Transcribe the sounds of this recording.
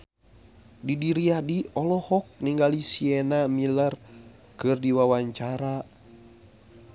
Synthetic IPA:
didiɾiadiɔlɔhɔk̚niŋɡalisienamilər | kɨrdiwawaɲt͡ʃaɾa

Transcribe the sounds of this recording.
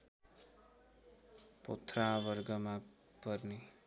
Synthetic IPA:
po̰t̪ʰrabʌrɡʌma | pʌrni

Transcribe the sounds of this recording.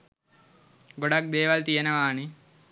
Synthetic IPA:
ɡoɽak̚d̪eːʋalt̪ijənəʋaːni

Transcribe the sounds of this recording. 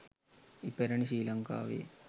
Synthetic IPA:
ipːeɾɐniɕiːlɐŋka̰ːʋḛ

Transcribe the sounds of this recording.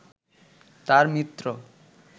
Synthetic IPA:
t̪aɾmit̪ːɾo

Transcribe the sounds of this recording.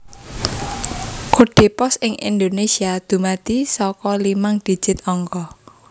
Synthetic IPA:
kuɖ̥e̤pɔsɪŋʔḭnd̪onesiad̪̥umad̪̥isɔkɔlimaŋd̪̥i̤̥d͡ʒ̥ɪt̪̚ɔŋkɔ

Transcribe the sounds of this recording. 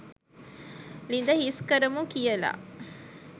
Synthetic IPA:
lind̪ɐhiskɐɾəmukijɐla̰ː

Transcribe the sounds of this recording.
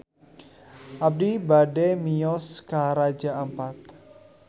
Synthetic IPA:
ʔap̚dibademiɔskaɾad͡ʒaəmpat̪̚

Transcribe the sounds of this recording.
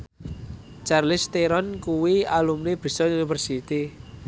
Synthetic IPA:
t͡ʃarlɪst̪eɾɔnkuwialumneb̥i̤sɔunifərsit̪i

